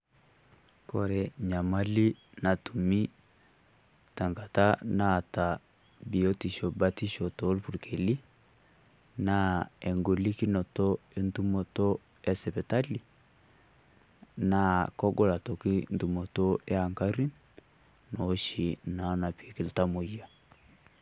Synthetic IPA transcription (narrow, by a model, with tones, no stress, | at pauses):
kɔ˨ɾɛ˨ɲa˨ma˦li˦na˨tu˨mi˦ | ta˨ŋɡa˨ta˦na˦˨ta˨ | bi˨o˦ti˨ʃɔ˨ba˦ti˦ʃɔ˨to˨˦lpu˨ɾkʰe˨li˦ | na˦ɛ˨ŋɡo˨li˦ki˦nɔ˨to˦e˦ntu˦mo˨to˦ | ɛ˦sɛ˨pɛ˨ta˦li˨ | na˨kɔ˦ɡɔ˦˨la˨to˨ki˦ntu˨mo˨to˦e˦a˨ŋka˦ɾi˦n | no˨˦ʃi˨na˨˦na˨pi˨ki˦lta˦mo˨ja˨